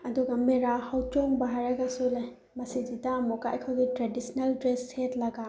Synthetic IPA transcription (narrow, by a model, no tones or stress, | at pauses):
ɐduɡameɾahawt͡ʃɔŋbaɦaɾaɡasolaj | mɐsid͡ʒidamɔkajkʰawditɾadisnaldɾeshetlɐɡa